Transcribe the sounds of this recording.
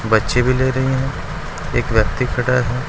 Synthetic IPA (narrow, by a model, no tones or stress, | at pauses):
bɐtːʃebʱileːɾɐɦiɦɛ̃ː | ḛːkʋjɐk̚t̪ikʰɐʈaɦɛː